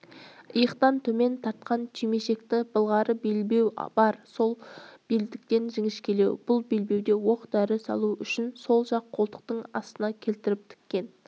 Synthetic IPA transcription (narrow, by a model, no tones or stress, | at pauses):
əjəqt̪ɑnt̪ʰɵme̞nt̪ʰɑɾt̪̚qɑnt̪ʰime̞ʃe̞kt̪ɪb̥əlˠʁɑɾəbelbe̞wb̥ɑɾso̞lˠb̥ild̪ɪk̚t̪e̞nʒɪŋɪʃkʲʰe̞le̞wb̥ʊlˠbelbe̞wd̪e̞wo̞qt̪æɾɪsɑ̰lˠuʏʃɪnso̞lˠʒɑqʰːo̞lˠt̪ə̥q̚t̪əɴɑ̰st̪ənɑkʲʰe̞lt̪ɪɾɪp̚t̪ʰɪ̥kʲːe̞n